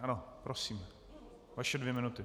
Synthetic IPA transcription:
anopɾʔosiːm | vaʃɛdvjɛmɪnut̪ɪ

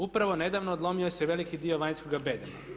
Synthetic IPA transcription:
upɾaʋo̞ne̞d̪aːʋnoːd̪lˠo̞mioseʋe̞likid̪io̞ʋaːɲskoɡabed̪a

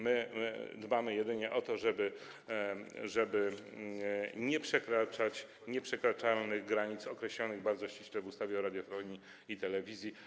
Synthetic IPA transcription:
mɘd̪bamɘjɛd̪ɘɲɛʔɔt̪ɔʐɛbɘ | ʐɛbɘ | ɲɛpʂɛkɾat͡ʂat͡ɕ | ɲɛpʂɛkɾat͡ʂalnɘɣɡɾaɲit̪sɔkɾɛɕlɔnɘɣbaɾdzɔɕt͡ɕiɕlɛvust̪avʲjɛɔɾad̪jɔfɔɲi | it̪ɛlɛvʲizʲji

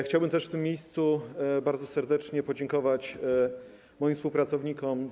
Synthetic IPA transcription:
xt͡ɕawbɘmt̪ɛʂft̪ɘmːjejst̪subaɾd̪zɔsɛɾd̪ɛt͡ʂɲɛpɔd͡ʑɛŋkɔvat͡ɕ | mɔjĩmfspuwpɾat̪sɔvɲikɔm

